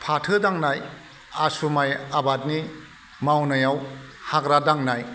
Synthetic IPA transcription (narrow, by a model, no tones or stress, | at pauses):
pʰatʰɯdaŋnaj | asumajabat̚ni | mawnajaw | hakɾadaŋnaj